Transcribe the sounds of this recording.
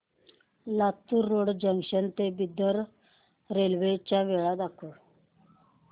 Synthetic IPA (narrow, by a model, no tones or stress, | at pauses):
lat̪uɾːoɽd͡ʑəŋɡɕənt̪ebid̪əɾ | ɾelʋet͡ɕaʋeɭad̪akʰuɽ